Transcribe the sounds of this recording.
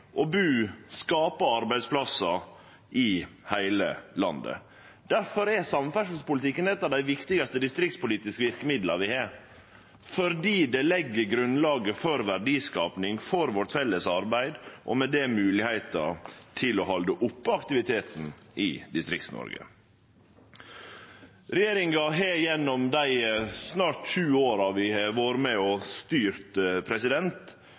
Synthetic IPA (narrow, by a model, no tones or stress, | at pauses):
ʔɔbʉːskɑːpəɑɾbæɪd̪spʰlɑsɑ | ʔɪhæɪlə̰lɑnd̪ə̰ | d̪̥æɾfɔɾɛsɑmfæʂl̩spʊlɪt̪ʰɪkːənɛt̪ːɑd̪æɪʋɪkt̪ɪɡɑst̪əd̪ɪst̪ɾɪk̚t̪spʊliːt̪ɪskəʋɪɾkəmɪd̪lɑʋɪhɑ | fɔɾd̪iːd̪ɛlɛɡːəɾɡɾʉnlɑːɡəfɔɾʋæɖiːskɑːpnɪŋfɔɾʋɔʈfɛlːəsɑɾbæɪd̪ʔɔmɛd̪ɛmʉːlɪhæɪt̪ɑ̰t̪ʰɪlɔɦɑld̪əʔʊpːɑkt̪ɪʋɪt̪ʰeːt̪n̩ʔɪd̪ɪst̪ɾɪkt̪snɔ̰ɾɡə̰ | ɾɛjeːɾɪŋɑɦejɛnːɔmd̪æɪsnɑːʈʃʉːoːɾɑʋɪʋoːɾmɛɔst̪yːɾt̪pʰɾɛsɪd̪ɛnt̪